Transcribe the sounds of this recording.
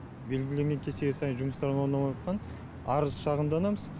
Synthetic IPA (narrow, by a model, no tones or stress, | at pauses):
be̞lɡʲɪle̞ŋɡʲe̞ŋkʲʰe̞se̞ɡʲesɑjənʒuməst̪ɑɾənwoɾnɑmɑtqɑn | ɑɾəz̥ʃɑʁəmd̪ɑnɑməz